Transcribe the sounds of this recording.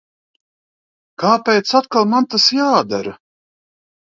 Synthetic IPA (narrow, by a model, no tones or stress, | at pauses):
kaːpʲɛjt̪sat̪̚kalˠmant̪asjaːd̪aɾa